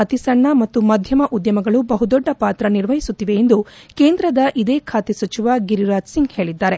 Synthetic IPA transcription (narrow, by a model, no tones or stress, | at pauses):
ɐt̪isɐɳːɐmɐt̪ːumɐd̪ʱjɐmɐʔud̪jɐmɐɡɐɭubɐɦud̪ɔɖːɐpaːt̪ɾɐniɾʋɐɦisut̪ːiʋe̞ːnd̪uke̞ːnd̪ɾɐd̪ɐʔid̪e̞ːkʰaːt̪esɐt͡ʃiʋaɡiɾiɾaːd͡ʒsiŋɡhe̞ːɭid̪ːaːɾe